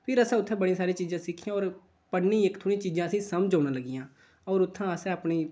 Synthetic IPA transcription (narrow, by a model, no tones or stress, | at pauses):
pʰɪɾəsɛ̃ːʊt̪ʰːɛ̃ːbəɽĩːsaːɾĩːt͡ʃiːzãːsɪkʰːiãːɔːɾ | pəɽnĩːɪkt̪ʰoːɽĩːt͡ʃiːzãːəsĩːsəmd͡ʒaːnãːləɡijãː | ɔːɾʊt̪ʰːãːəsɛ̃ːəpɳiː